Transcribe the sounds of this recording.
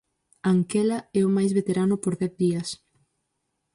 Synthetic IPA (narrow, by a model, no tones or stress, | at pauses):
aŋkɛlɐɛʊmajzβet̪eɾanʊpoɾðɛθðiɐs